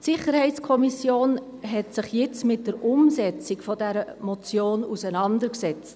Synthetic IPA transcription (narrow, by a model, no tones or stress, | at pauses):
tsɪχəɾhɛɪtt͡skʰɔmisjoːnɦɛtsɪχjɪt͡smɪt̚d̥əɾʔʊmzɛt͡sikfɔdɛɾəmɔt͡sjoːnusənɑndəksɛt͡st